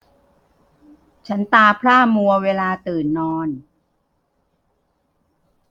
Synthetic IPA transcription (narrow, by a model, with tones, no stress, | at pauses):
t͡ɕʰa˦˥nt̪aː˧pʰlaː˥˩mu˧ɐweː˧laː˧t̪ɯː˨˩nːɔː˧n